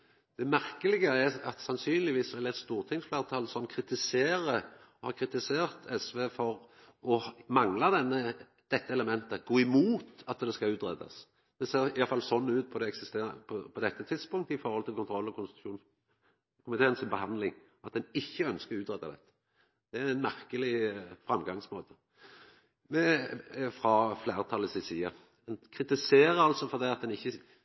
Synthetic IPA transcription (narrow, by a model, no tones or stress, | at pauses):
d̪̥ɛmæʁkəlɪɡəæʁɑt̪sɑnsyːnlɪʋiːssɔɛlɛt̪st̪uːʁt̪ʰɪŋsflæːʁt̪ʰɑlsɔmkʰɾɪt̪ɪseːɾəhɑkʰɾɪt̪ɪseːʁt̪ʰɛsʋeːfɔʁ | ɔhmɑŋlɑd̪ɛnːə | d̪̥ɛt̪ːəɛləmɛnt̪əɡ̥oːɪmuːt̪ɑt̪d̪ɛskɑʉːt̪ɾɛ̰d̪ɑ̰s | d̪̥ɛseːʁɪjɑlfɑlsɔnːʉːt̪̚pʰɔd̪ɛɛksɪst̪eːpʰɔpʰɔd̪ɛt̪ːət̪ʰɪd̪spʊŋkt̪əɪfɔɾhɔlt̪ʰɪlkʊnt̪ʰʁɔlːɔkʊnsʃuːn | kʰʊmɪt̪ʰeːənsɪnbəɦɑnlɪŋ | ɑt̪̚d̪ɛnɪçːəœnskəʁʉːt̪ʁɛd̪ːɑd̪ɛ̰t̪ːə̥ | d̪̥ɛæɾæɪnmæʁkəlɪfʁɑmɡɑŋsmoːt̪ʰə̥ | mɛfʁɑflæːʁət̪ʰɑlːəsɪsiːɑ | d̪ɛnkʰɾɪt̪ɪseːɾəɾɑlsɔfɔʁd̪æɪɑt̪̚d̪ɛnɪçːə